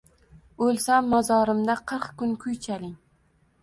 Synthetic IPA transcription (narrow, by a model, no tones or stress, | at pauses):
ɵlsamːɒzɒɾɪmd̪aqʰɨɾqkʊnkʰʊjt͡ʃʰalɪŋ